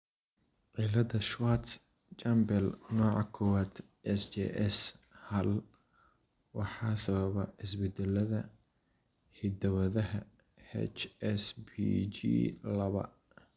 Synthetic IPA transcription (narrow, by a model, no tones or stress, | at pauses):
ʕilɐðɐʃwat̪s | t͡ʃambɛlnɔːʕɑkʰɔwaːd̪ | ɛsd͡ʒɛ̰ʔɛshɐl | wɑħɑːsɐβɐβɐʕɪsbɛd̪ɛlɐðɐ | hɪd̪ɐwɐðɐɦɐ | hɛ̰t͡ʃɛsbid͡ʒḭːlɐβɐ̰